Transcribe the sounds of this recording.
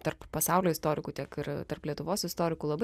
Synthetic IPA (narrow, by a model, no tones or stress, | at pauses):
t̪ɐrppɐsɑˑʊlʲoːɪst̪oːɾʲɪkuːt̪ʲiɛkɪrt̪ɐrplʲiɛt̪ʊʋoːsɪst̪oːɾʲɪkuːlˠɐbɐ